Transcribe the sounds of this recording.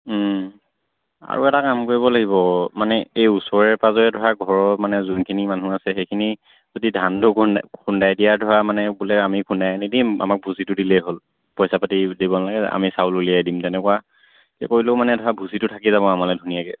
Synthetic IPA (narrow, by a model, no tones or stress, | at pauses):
a̰ɹṵɛtakamkoɹiβɔlaɡiβɔmanɛejusɔɹɛɹpazɔjɛdʱɔɹaɡʱɔɹɔmanɛzunkʰinimanũasɛxejkʰini | zodidʱandʊkʰundajdijadʱɔɹamanɛbulɛamikʰundajanidima̰mak̚bʱusitʊdilɛɦol | pɔjsapatidibɔnalaɡɛa̰misawlulijajdimtɛnɛkɔwa | kɛ̰koɹilomanɛdʱɔɹabʱusitʊtʰakizaβɔamalɛdʱunijaɡɛ̰